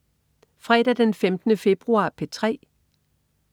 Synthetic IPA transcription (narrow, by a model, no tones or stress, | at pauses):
fʁɛd̥æd̥enfemd̥ənəfe̝b̥ʁuɑ̰̈ːpʰet͡sʰʁɛ̰ː